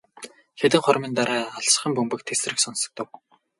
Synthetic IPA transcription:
xet̪ɘ̆ŋχʊrmiːnt̪aɾæːaɮs̆χə̆mpɵmpɘ̆k̚t̪ʰes̆rɘ̆ksɔnsɞ̆k̚t̪ə̆w

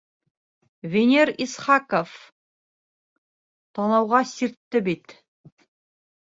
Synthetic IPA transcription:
vʲenʲeɾisχɑkof | t̪ɑnɑwʁɑsiɾt̪ːɘbit̪

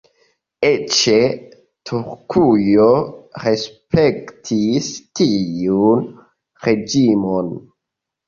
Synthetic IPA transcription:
et͡ʃe | tʰuɾkʰujoɾespektʰistiun | ɾe̞d͡ʒimon

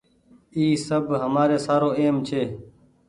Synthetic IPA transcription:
iːsəbɦəmaːɾeːsaːɾoːeːmt͡ʃʰeː

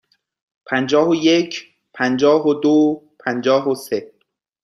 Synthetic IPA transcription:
pʰænd͡ʒɒːɦojecʰ | pʰænd͡ʒɒːɦod̪opʰænd͡ʒɒːɦose

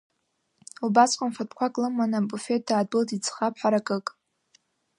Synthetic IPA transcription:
lubaskʷʼanfatʰkʷakʼlɨmanabufetʰaːd̚bɨltʰʼit͡sʰχapʰħaɾakʼɨkʼ

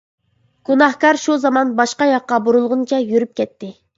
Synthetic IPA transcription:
ɡ̥unɑhkɑɾʃuzɑmɑnbɑʃqɑjɑqːɑboɾulˠʁʊnt͡ʃʰɛjyɾyp̚kʲʰɛt̪ʰːɪ

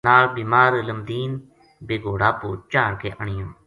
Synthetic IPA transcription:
aːlbiːmaːɾələmd̪iːn | beːɡoːɽaːpuːt͡ʃaːɽkeːʔəɳɪjõː

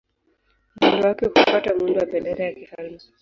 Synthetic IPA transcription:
mundɔwakɛkufatamundɔwaɓɛlɛɾɛjakihalu

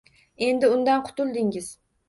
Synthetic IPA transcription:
e̞nd̪ɪʊnd̪anqʰʊ̥t̪ʊlˠd̪ɪŋɪz̥

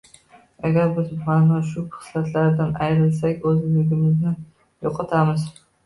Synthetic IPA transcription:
aɡʲaɾbɪzmanmaʃʊpɪ̥slat̪ʰlaɾd̪anajɾɪlsakʲɵzɪlɪɡʲɪmɪznɪ | joqʰɑt̪ʰamɪz

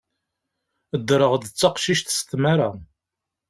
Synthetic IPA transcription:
əd̪ɾəʁd̪ət͡sːɑqʃiʃt̪st̪maɾa

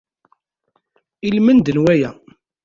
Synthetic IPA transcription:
ilmənd̪ənwæjæ

